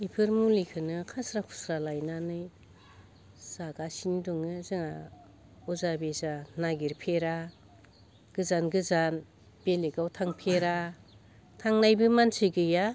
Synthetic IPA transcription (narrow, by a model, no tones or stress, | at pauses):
ipʰɯɾmulikʰɯnɯkʰasɾakʰu̥sɾalajnanɯj | z̥aɡasindɔŋɯzɯŋa̰ | ɔzabezanaɡiɾpʰeɾa | ɡ̥ɯzanɡɯzan | b̥eleɡawtʰaŋpʰeɾa | tʰaŋnajbɯmansɯɡɯja